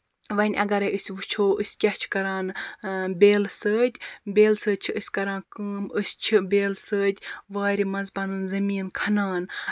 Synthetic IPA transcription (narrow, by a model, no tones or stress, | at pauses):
ʋɐnʲʔɐ̰ɡɐɾɐjɨsʲʋut͡ʃʰoːʔɨsʲkʲaht͡ʃʰkɐɾaːnbʲeːlsəːt̪ʲbʲeːlsəːt͡ʃʰiɨsʲkɐɾãːnkəːmɨsʲt͡ʃʰibeːlsəːt̪ʲʋaːɾʲimɐnzbɐnunzɐmiːnkʰɐnaːn